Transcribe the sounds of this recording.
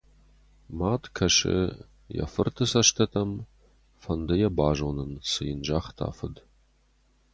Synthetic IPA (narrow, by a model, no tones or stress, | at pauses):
maːtkʰɐʂɨ̰ | jɐ̰fɨrtʰɨsɐʃtʰɐtʰɐm | fɐndɐjɐbaːʒownɨnsɨjɪnd͡ʒaːχtʰa̰ːfɨd